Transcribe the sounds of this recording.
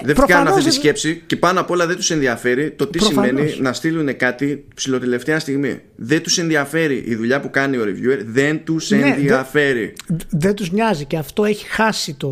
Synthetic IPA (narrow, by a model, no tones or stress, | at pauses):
ðefkɐnɐft̪et̪isce̞psice̞pɐnoɐpoo̞lɐðe̞nt̪u̥se̞nðiɐfe̞ɾit̪o̞t̪isimme̞ninɐst̪ilune̞kɐt̪ipsilo̞t̪e̞le̞ft̪eɐst̪iɣmḭ | ðe̞nt̪use̞nðiɐfe̞ɾiʔiðuʎɐpukɐnio̞ɾevjue̞ɾðe̞nt̪use̞nðiɐfe̞ɾiðent̪uzɲɐziceɐft̪o̞eçi̥xɐsit̪o